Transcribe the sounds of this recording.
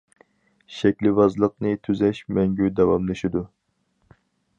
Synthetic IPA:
ʃɛkʲlɪvɑzlˠəq̚nɨt̪ʰyzɛʃmɛŋɡʲyd̪ɛwɑmlˠɨʃid̪u

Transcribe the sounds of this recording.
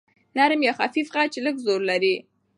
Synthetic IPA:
naɾmjɑxafifɣat͡ʃeləɡzoɾlaɾi

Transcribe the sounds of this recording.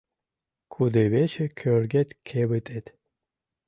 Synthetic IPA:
kʰud̪ɨβet͡ɕekʲʰørɡet̪kʲʰeβɨt̪et̪

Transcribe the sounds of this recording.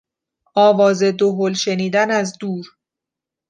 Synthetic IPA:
ʔɒːvɒːzed̪oɦolʃe̞niːd̪ænæzd̪uːɾ

